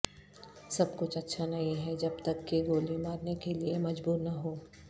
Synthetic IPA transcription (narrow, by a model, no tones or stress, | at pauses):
sɐbkʊt͡ʃʰɐtːʃʰanɐɦĩɦɛd͡ʒɐbt̪ɐkːiɡoːlimaːɾnekeliemɐd͡ʒbuːɾnɐɦoː